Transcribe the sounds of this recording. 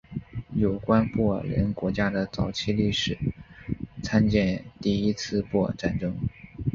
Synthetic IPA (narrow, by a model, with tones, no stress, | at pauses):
jo˨˩ʊkwa˥npwɔ˥˩ɻə̰˧˥nkwɔ˧˥t͡ɕja˥d̪ə˨t͡sɑ˧˥ʊt͡ɕʰi˥˧li˥˩ʂɻ̩˨˩˦ | t͡sʰa˥nt͡ɕjɛ˥˧nt̪i˥˩i˥t͡sʰɹ̩˥˧pwɔ˥˧ʈ͡ʂa˥˩nʈ͡ʂɤ˥ŋ